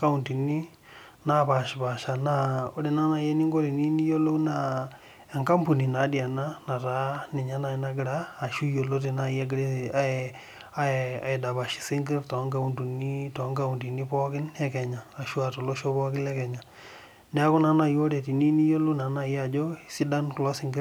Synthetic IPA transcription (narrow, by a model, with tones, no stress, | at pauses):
ka˦u˨nti˨ni˦ | na˦pa˨ʃi˨pa˨ʃa˨na˨o˦ɾe˨na˦na˨jɛ˦ni˦ŋɡɔ˦ɾi˨ni˦ni˦jo˦lo˦u˦na˨ | ɛ˨ŋka˦mpu˨ni˨na˨˦di˨a˨na˦na˨ɾa˨˦ni˨ɲa˦na˨i˨na˦ɡi˨ɾaː˦˨ʃu˦jo˨lo˦t̬e˨na˦˨jɛ˦ɡɾe˦a˦ɛ | a˦ɛ˨a̰˨e˨da˨βa˨ʃi̥˨sɪ˦ŋɡɪ˦rtɔ˨˦ŋɡa˦˨u˨ntu˨ni˦tɔ˨˦ŋɡa˦u˨nti˨ni˦pɔ˦kɪ˦nɛ˦kɛ˨ɲaː˨ʃwa˨to˨lo˦ʃo˦pɔ˦kɪ˦lɛ˦kɛ˨ɲa˨ | nɛ˦a˦kʊ˦na˨˦na˨jo˦ɾe˨ti˨ni˦ni˦jo˦lo˦na˨na˦˨ja˨d͡ʒo˦˨si˦da˦nklɔ˦sɪ˦ŋɡɪ˦ɾ